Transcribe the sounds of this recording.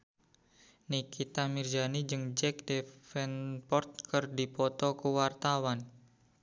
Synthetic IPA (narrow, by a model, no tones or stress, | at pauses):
nikit̪amird͡ʒanid͡ʒɨŋd͡ʒɛk̚defɛnpɔrt̪̚kɨrdipɔt̪ɔkuwart̪awan